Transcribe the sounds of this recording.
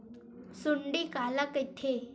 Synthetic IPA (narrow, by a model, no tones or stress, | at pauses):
suɳɖiːkaləkit̪ʰe